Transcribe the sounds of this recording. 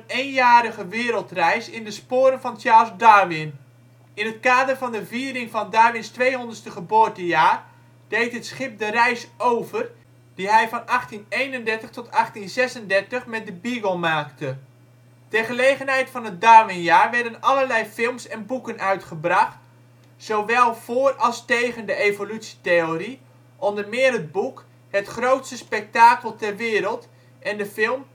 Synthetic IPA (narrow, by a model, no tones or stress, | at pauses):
ənejnjaːɾəχəʋɪːɾəlˠtrɛjsɪndəspʊːɾənvɑnt͡ʃaːɹlˠzdaɹʋɪn | ɪnɦətkaːdərvɑndəviːɾɪŋvɑndaːɹʋɪnstʋejɦɔndərstəχəboːɹtəjaːr | d̥ejtɦətsχɪp̚dərɛjsowvər | d̥iɦɛjvɑnɑχtinejnəndɛɹtəχtɔtɑχtinzɛsəndɛɹtəχmɛt̚dəbiɡəlˠmaːktə | tɛɹχəlejχənɦɛjtfɑnɦət̚daːmɪnjaːɹʋɛɹdənɑləɹlɛjfɪlˠmsɛnbukənʔœɥtχəbrɑχt | sowʋɛlˠv̥ʊːrɑlˠstejχəndəejvolytsi̥teoɾi | ʔɔndəɹmɪːɾɦəd̚buk | hətχrowtstəspɛk̚taːkəlˠtɛɹʋɪːɾəlˠt | ɛndəfɪlˠm